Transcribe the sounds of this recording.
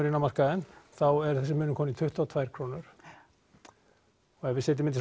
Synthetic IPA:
ʏɾɪnːamar̥kaðɛnθawɛɾ̥θɛsːɪmʏːnʏkʰɔːnit̪ʰʏht̪aːwt̪ʰvajɾ̥kʰɾoːwnʏɾ̥ | ɔɣɛɾvɪsɛːt̪ɪmɪnis

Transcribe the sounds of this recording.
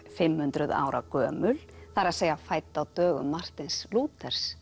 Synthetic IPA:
fɪmhʏnt̪ɾʏða̰ːwɾa̰kœːmʏlθaɾaðseːjafaːjt̪awt̪œːɣʏ̰mːar̥t̪ɪnsluːt̪ɛɾ̥s

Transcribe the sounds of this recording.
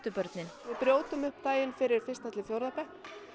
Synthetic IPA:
t̪ʏpœɾt̪nɪnʋɪðpɾjoːwt̪ʏmʏhpt̪aːjɪnfɪɾɪɾ̥fɪrst̪at̪lɪfjowɾðapɛhk̪

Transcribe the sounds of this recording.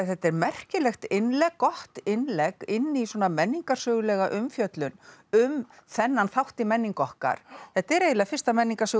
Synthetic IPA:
θɛht̪ːɛɾmɛr̥cɪlɛxt̪ɪnlɛkːɔht̪ɪnlɛkɪnːiswɔnamɛnːiŋkḁsœːɣʏlɛːɣaʔʏmfjœt̪lʏnʏmθɛnːanθawht̪ɪmɛnːiŋkɔhka̰ɾ̥θθɛht̪ɛɾeːjlafɪrst̪amɛnːiŋkasœː

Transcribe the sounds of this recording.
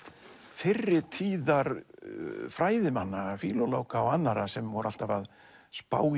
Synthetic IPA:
fɪrːɪt̪ʰiːðaɾ | fɾaːjðɪmanːafiːlɔloːwkaawanːaɾasɛmvɔɾʔal̥t̪avað | spa̰ːw

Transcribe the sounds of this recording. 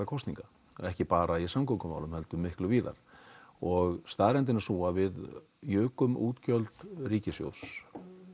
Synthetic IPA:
akʰɔwsnḭ̃ŋka | ɛhcɪpaːɾaisamkʰowŋkʏma̰wlʏmhɛlt̪ʏmːɪhklʏviːða̰ɾ̥ɔɣst̪aːɾɛnt̪̬ɪnasuːavɪð | jʏːkʏmuːt̪cœlt̪riːcɪsjo̰ws

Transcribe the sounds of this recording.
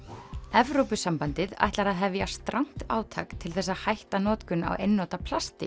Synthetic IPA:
ɛvɾowpʏsampant̪ɪða̰jht̪laɾaðɦɛvjast̪ɾʔaŋ̥t̪a̰ːwt̪ʰa̰kt̪ʰɪlθɛsːaðhajht̪anɔːt̪kʏna̰wʔejnːɔt̪apʰlast̪ɪ̰

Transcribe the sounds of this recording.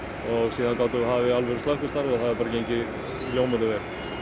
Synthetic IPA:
ɔɣsiːðankaːwt̪ʏɦavɪalvɛɾst̪lahkʏst̪aɾvaθaðɛɾpaɾacejɲcɪ | ljoːwmat̪ʏvɛɾ

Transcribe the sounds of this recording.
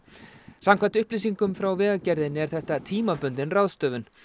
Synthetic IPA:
samkʰvant̪ʏhpliːsiŋkʏmfɾawvɛːɣacɛɾðɪnɛɾ̥θɛht̪at̪ʰiːmapœnt̪ɪnrawðst̪œːvʏn

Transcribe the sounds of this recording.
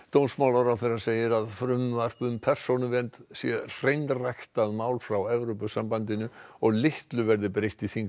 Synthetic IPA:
t̪ownsmaːwlaɾawθɛɾaseːjɪɾaðfɾʏmvar̥pʏmpʰɛr̥sonʏvɛnt̪sjɛr̥ejnrajxt̪aðmaːwlfɾawɛvɾopʏsampant̪ɪnʏɔɣlɪht̪lʏvɛɾðɪpɾejht̪iθiŋ

